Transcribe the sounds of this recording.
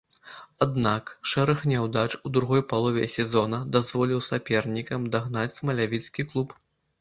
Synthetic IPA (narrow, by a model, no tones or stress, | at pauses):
ad̪nakʂɛɾɐxnʲɛwd̪at͡ʂud̪ɾuɣɔjpalˠɔvʲɛ̰sʲɛzɔnɐd̪azvɔlʲiwsapʲɛrnʲikɐmd̪aɣn̪at͡sʲsmɐlʲavʲit̪skʲiklˠup